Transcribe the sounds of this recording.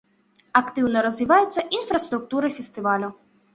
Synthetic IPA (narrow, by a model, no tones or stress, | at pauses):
ɐkt̪ɪwnɐɾɔzʋʲiʋajʊsʲːɐʔinfɾɐst̪ɾʊk̚t̪uɾɐfʲɛst̪ɪʋalʲʊ